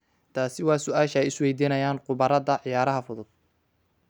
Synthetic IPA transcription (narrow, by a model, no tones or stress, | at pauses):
t̪ʰaːsɪwɑːsʊaːʃɐɛjɪswɛjd̪iːnɐjaːnqʊβɐɾɐðɐʕɪjaːɾɐɦɐfʊðʊd̪̥̚